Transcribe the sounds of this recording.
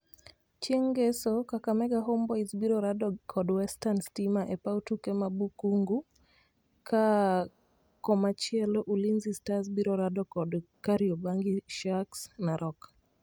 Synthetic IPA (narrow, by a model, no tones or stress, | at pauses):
t͡ʃeŋɡɛsɔkakamɛɡaɦɔmbɔizbiɾɔɾadɔkʰɔdwɛstanstimaʔɛpautukɛmabukuŋɡu | kʰa | kɔmat͡ʃiɛlɔʔulinzistas̬biɾɔɾadɔkɔdkaɾiɔbaŋɡiʃaksnaɾʔɔk